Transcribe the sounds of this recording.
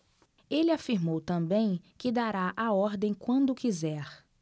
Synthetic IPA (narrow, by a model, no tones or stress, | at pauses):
elɪafiɾmowt̪ɐ̃bẽj̃kɪd̪aɾaʔaɔɾd̪ẽj̃kwɐ̃nd̪ʊkizɛɾ